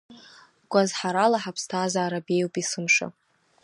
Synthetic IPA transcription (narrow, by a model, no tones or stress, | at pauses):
ɡ̥ʷazħaɾalaħapʰstʰaːzaːɾabe̞jwpʼisɨmʂa̰